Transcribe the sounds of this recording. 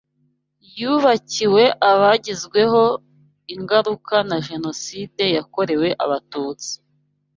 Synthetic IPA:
juβaciwe̞ʔaβaɟizɡwe̞ɦo̞ | iŋɡaɾukanaʒe̞no̞side̞jako̞ɾe̞we̞ʔa̰βatuːt͡si̥

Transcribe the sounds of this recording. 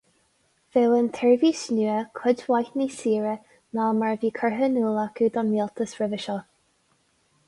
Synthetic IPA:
v̥ewənt̪ʰɛɹviːsnuːəkʰʊdwajtnisiːɹə | nalmaɹviːkʰəɹɦənuːlakʰʉd̪ɔnilt̪ʰəsɹɪvəʃɔ

